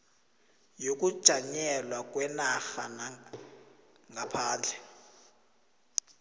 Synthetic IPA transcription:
jok̬ʼud̥ʒ̥ʱaɲɛlwak̬ʼwɛnaxana | ŋɡapʰaːnd͡ɮʱɛ

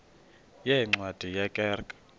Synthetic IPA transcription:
jɛŋ͡ǀwad̥ʱijakʼɛːrkʼḁ

